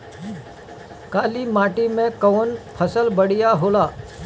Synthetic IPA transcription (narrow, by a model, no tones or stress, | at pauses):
kaːlimãːʈimẽkəːnpʰəsəlbəɽɪjaɦoːlaː